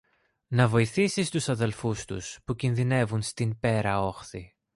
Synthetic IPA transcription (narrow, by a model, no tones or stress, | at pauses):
nɐvo̞iθisist̪usɐðe̞lfust̪ṵspucinðine̞vunst̪inpe̞ɾɐo̞xθi